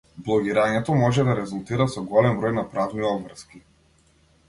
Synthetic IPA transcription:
blˠɔɡiɾaɲɛt̪ɔmɔʒɛd̪aɾɛzulˠt̪iɾasɔɡɔlɛmvɾɔjnapɾavniɔbvr̩ski

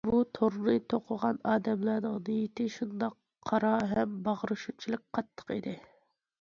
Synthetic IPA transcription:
but̪ʰoɾlɨt̪ʰoqʰʊʁɑnɑːd̪ɛmlɑnɨŋd̪ejit̪ɪʃund̪ɑqʰːɑɾɑɦɛmbɑʁəɾɨʃut͡ʃʰilˠɨk̚ʲqʰɑt̪ʰːə̥qid̪ɪ

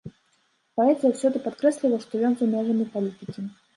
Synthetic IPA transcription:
paɛt̪ɨjəwsʲɔd̪ɨpat̪kɾɛsʲlʲilˠɐʂt̪ɔjɔnzɐmʲɛʐɐmʲipalʲit̪ɨkʲi

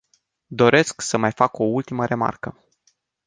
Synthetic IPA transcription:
d̪o̞ɾe̞sksəmajfako̞ult̪iməɾe̞ma̰rkə

